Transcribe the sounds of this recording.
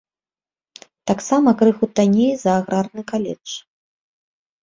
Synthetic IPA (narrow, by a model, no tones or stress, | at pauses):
t̪aksamɐkɾɨxut̪anʲejzɐːɣɾarnɨkalʲɛ̰t͡ʂ